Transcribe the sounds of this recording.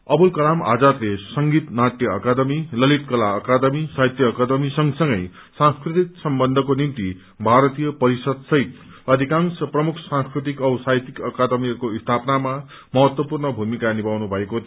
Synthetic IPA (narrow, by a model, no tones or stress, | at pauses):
ʌbulkʌɾama̰d͡zat̪lesʌŋɡit̪naʈ̪jʌːkad̪ʌmilʌlit̪̚kʌlaːkad̪ʌmisajt̪jʌːkad̪ʌmisʌŋsʌŋɡʌ̰j | sãŋskrit̪ik̚sʌmbʌnd̪ʱʌkonimt̪i | bʱaɾʌt̪ijʌpʌɾisʌd̪sʌɦit̪ | ʌd̪ʱikansʌprʌmukʰsãŋskrit̪̬ikʌwsajt̪ikʌkad̪ʌmiʌkoist̪ʰapnama | mʌɦʌt̪wʌpurnʌbʱumikanibawnubʱʌeko